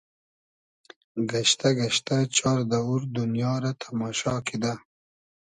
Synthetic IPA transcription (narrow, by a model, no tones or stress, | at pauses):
ɡaʃt̪aɡaʃt̪at͡ʃɑːɾd̪auɾd̪unjɑːɾat̪ʰamɑːʃɑkʰid̪a